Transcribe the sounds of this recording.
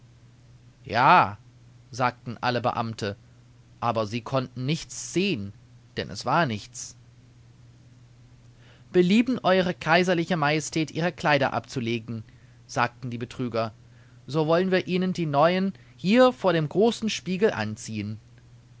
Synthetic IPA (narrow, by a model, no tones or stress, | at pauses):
jaː | zaːk̚tn̩ʔa̰ləbə̰ʔa̰mtʰə | ʔaːbɐziːkʰɔntn̩nɪçt͡sz̥eːən | d̥ɛnʔɛ̰sv̥aːɐnɪçt͡s | b̥əliːbn̩ʔɔʏʁ̞əkʰaɪzɐlɪçəmajɛstʰɛːtʔiːʁəkl̥aɪɾɐ̰ʔa̰pt͡suleːɡŋ̩ | z̥aːk̚tn̩diːbətʁ̥yːɡɐ | zoːvɔlənviːɐʔiːnəndiːnɔʏən | hiːɐfoːɐɾeːmɡʁoːsn̩ʃpiːɡl̩ʔa̰nt͡siːən